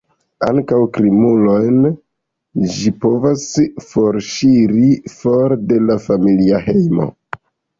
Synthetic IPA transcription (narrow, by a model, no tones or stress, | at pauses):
a̰ŋkawkɾimulojn | d͡ʒipo̞vasfo̞ɾʃiɾifoɾde̞lafamiliahe̞jmo̞̰